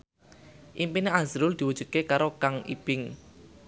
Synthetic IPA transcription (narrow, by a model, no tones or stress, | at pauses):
ʔimpineazɾʊld̪̥i̤wudʒ̥ṳd̪̚kekaɾokaŋʔḭb̥ɪŋ